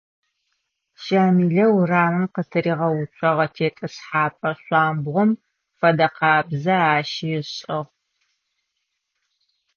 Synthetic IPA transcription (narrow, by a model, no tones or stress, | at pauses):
ʃaːmiːɮɐwraːmɨmqətʰɨɾiːʁɐwʊt͡ʃʷʰʼɐʁɐtʰeːtʼɐsħaːpʼɐɕʷɑːmbʁʷɔm | fɐdɐqɑːbzɐaːʃijɪɕʼɐʁ